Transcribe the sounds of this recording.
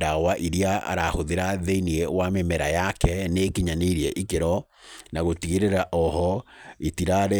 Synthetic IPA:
dawaʔiɾiaa̰ɾahoðeɾaðeiniɛwamemɛɾajakɛnekiɲaneɾiɛʔikeɾɔ | naɣotiɣeɾeɾaʔɔhɔetiɾaɾɛ

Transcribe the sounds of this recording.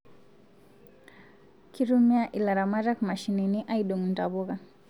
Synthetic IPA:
kiɾumiaʔilaɾamaɾakmaʃininiʔaiɗɔŋntaβɔɣa

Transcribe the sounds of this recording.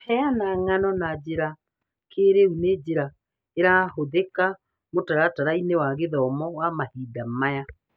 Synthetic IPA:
hɛanaŋanɔnad͡ʑeɾa | kʰeɾeuned͡ʑeɾa | eɾahoðeka | motaɾataɾainewaɣeðɔmɔwamahiːdamaja

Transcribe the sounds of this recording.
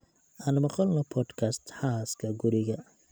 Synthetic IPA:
ʔaːnmɐqɔlnɐpʰɔːd̪kʰast̪ħaːskʰɐɡʊɾɪɣɐ

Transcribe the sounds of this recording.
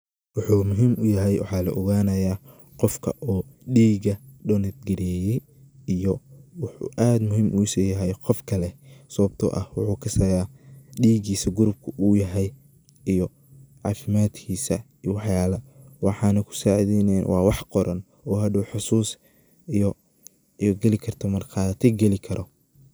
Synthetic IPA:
wɑħuːmʊɦiːmʔʊjɐɦɛjwʔɑ̰ħɑːlɐ̰ʔɔɣaːnɐjaː | qɔfkʰɐ̰ʔɔːɖiːɡɐɖɔnɐd̪ɡɐɾɛjɛj | ijɔwħʔaːd̪mʊɦiːmʔuːsɛjɐɦɛjqɔfkʰɐlɛsɐɐb̚t̪ʰɔ̰ʔɐhwʊħuːkʰɐsɐjaːɖiːɡiːsɐɡʊɾʊb̚kʰʊʔuːjɐɦɛj | ijɔ | ʕɑ̰ːfɪmaːd̪kʰiːsɐiwɑħjaːlɐwɑħɑːnɐkʰʊ̥saːʕiðɛjnɛjnwʔɑːwɑħqɔɾʔɐn | ɔːɦɐɖʊwħʊsuːs | ɔ | iɡɛlɪkʰɐrt̪ʰɔmɐrkʰɑːt̪ʰɛɡɛlɪkʰɐɾʔɔ

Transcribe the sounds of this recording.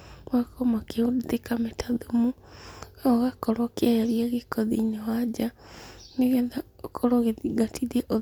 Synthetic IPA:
wakɔmakeotekametaðumu | oɣakɔɾɔkeaɾiɛɣekɔðiɲawad͡ʒaniɣɛðakʰoɾoɣeðiɡatiðɛʔo

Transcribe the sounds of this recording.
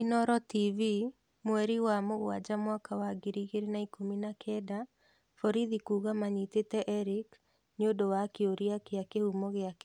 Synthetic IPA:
inɔɾɔtivi | mwɛɾiwamoɣwad͡ʒamwakʰawaɡiɾiɣeɾenaikominakʰɛda | fɔɾiðikuːɣamaɲitetɛʔɛɾik | neodowakeoɾiakeakehumɔɣeak

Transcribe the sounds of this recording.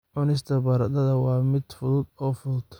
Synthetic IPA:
ʕʊnɪs̬t̪ʰɐbɐɾɐd̪ɐðɐwɑːmɪd̪̥fʊðʊd̪ɔːfʊðʊd̪̥

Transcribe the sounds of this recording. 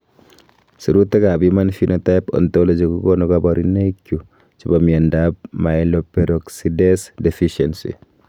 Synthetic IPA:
suɾutːɛkabimanfinʔotajpɔ̰nt̪ɔlɔd͡ʒikukɔnɔkabaɾinekju | t͡ʃibamiandap̚maɪlɔpɛɾɔksidɛsdɛfiʃɛnsḭ

